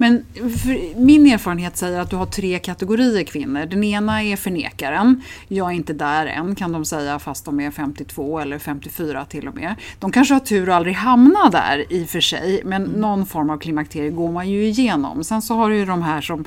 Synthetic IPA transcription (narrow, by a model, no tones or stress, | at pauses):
mɛnfɾmɪneːɾfɑːɾənɦeːt̪sɛjːəɾat̪̚d̪ɵɦaʈʰɾeːkʰat̪ɛɡʊɾiːəɾkʰvɪnːəɖɛneːnaɛɾfœɳḛːkaɾənjɑːɡɛɾɪnt̪əd̪æɾɛ̰nːkʰand̪ɔmsɛjːafast̪̚d̪ɔmɛfɛmt̪ɪt̪ʰv̥oːɛlːəɾfɛmt̪ɪfyːɾat̪ʰɪlːɔmḛːd̪̥ɔmkʰanʂəhaʈʰʉ̟ːɾɔald̪ɾɪɡɦamnad̪æ̰ɾɪfœʂɛ̰jmɛnːɔnːfɔɾmavkʰlɪmak̚t̪ʰeːɾɪɡoːɾmanjɵɪjeːnɔ̰msɛnsɔɦaɾɛjɵd̪ɔmɦæːʂɔm